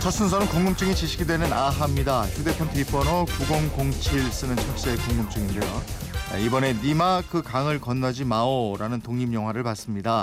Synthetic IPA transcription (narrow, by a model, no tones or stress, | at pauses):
t͡ɕʰʌs͈ɯnsʰʌnɯnkoŋɡɯmt͡ɕ͈ɯŋit͡ɕiɕʰiɡidwe̞nɯnaɦamɲidaçude̞pʰjʌntʰɯip͈ʌnokuɡoŋkoŋt͡ɕʰiɭs͈ɯnɯnt͡ɕʰʌks͈ekoŋɡɯmt͡ɕ͈ɯŋinde̞joibʌne̞nimakɯkaŋɯɭkʌnːad͡ʑimaoɾanɯntoŋɲimjʌŋɦwaɾɯɭpas͈ɯmɲida